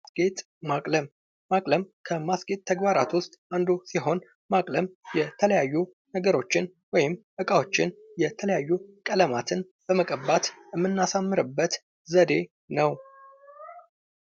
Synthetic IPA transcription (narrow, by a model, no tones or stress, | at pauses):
ɡet̪ʼ | makʼləmː | akʼləmkʰəmasɡet̪̚ʼt̪ʰːəɡbaɾa̰t̪wʊst̪ʼand̪usiɦo̞n | makʼləmjɛt̪ʰələjajːu | nəɡəɾo̞t͡ʃːɪn | wɔjɪmʔɨkʼawo̞t͡ʃːɪnjɛt̪ʰələjajːukʼələmat̪ʰɨn | b̥əməkʼəbːat̪jɛmːɨnːasamːɨɾɨbːət̪ | zəd̪e̞ | nəw